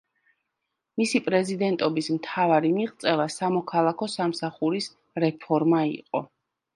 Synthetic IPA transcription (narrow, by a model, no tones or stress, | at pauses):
misipʼɾɛzid̪ɛnt̪ʼɔbismt̪ʰavaɾimiqʼt̪sʼɛlasamɔkʰalˠakʰɔsamsaχuɾis | ɾɛpʰɔɾmaḭqʼɔ̰